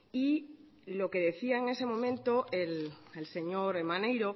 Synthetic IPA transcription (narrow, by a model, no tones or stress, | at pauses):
i | lo̞ke̞ðe̞θiae̞ŋe̞se̞mõ̞mẽnt̪o̞ʔelelse̞ɲo̞ɾemãne̞jɾo̞